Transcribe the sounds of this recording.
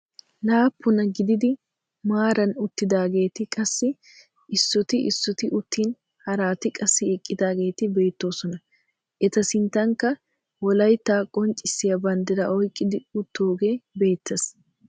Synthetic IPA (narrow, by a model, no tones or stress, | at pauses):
naːpʰːʊnɐɡɪd̪ɪd̪ɪ | maːɾɐnʊt̪ːɪd̪aːɡe̞ːt̪ɪkʼɐsːɪ | ʔɪsːɔt̪ɪʔɪsːɔt̪ɪʔʊt̪ːiːn | hɐɾaːt̪ɪkʼɐsːɪɪkʼːɪd̪aːɡe̞ːt̪ɪbe̞ːt̪ːo̞ːsɔnɐ | ʔɛt̪ɐsɪnt̪ɐŋkːɐ | wɔlɐjt̪ːaːkʼɔnt͡ʃʼːɪsːɪjɐbɐnd̪ɪɾɐʔɔjkʼːɪd̪ɪʊt̪ːoːɡe̞ːbe̞ːt̪ːes